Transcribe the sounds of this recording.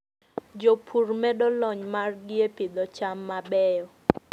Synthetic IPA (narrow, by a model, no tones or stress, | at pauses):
d͡ʒopʰurmɛdɔlɔɲmarɡɪepid̪ɔt͡ʃamːabɛjɔ